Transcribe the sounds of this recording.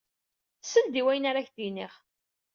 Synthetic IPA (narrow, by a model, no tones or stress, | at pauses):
səld̪iwæjənaɾaçθiniχ